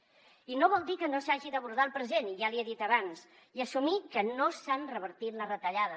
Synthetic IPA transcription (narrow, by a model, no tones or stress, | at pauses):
inoβ̞ɔlˠd̪ikənosaʒiðəβuɾð̞alˠpɾəzeniʒalieðit̪əβans | iəsumikənosanrəβəɾt̪it̪lərət̪əʎaðə